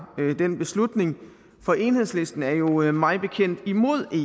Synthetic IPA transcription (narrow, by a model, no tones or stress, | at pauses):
d̥enb̥e̝slud̥ne̝ŋ | fɒ̽ʔe̝nhe̝ðˠsle̝sd̥n̩æɐjo̝mɑ̈ɪðˠb̥e̝kʰen̰d̥imo̝ð̰ˠe̝